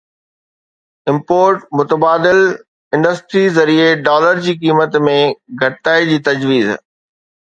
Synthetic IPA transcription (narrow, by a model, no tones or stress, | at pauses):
ɪ̃mpoːɾʈmʊt̪əbaːd̪ɪl | ɪ̃ɳɖəsʈɾizɐɾieɖaːləɾd͡ʑiːkiːmət̪mẽɡʱɐɽɪt̪aːid͡ʑiːt̪ɐd͡ʑʋiːz